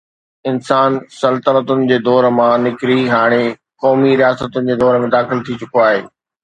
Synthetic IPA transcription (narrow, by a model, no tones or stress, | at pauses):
ɪnsaːnsɐlt̪əɾət̪ʊnɪ̆d͡ʑeːd̪ɔːɾmãnɪkɾiɦaːɽ̃e | kɔːmiɾijaːsət̪ʊnɪ̆d͡ʑeːd̪ɔːɾmẽd̪aːxɪlt̪ʰit͡ɕʊkoaːɦeː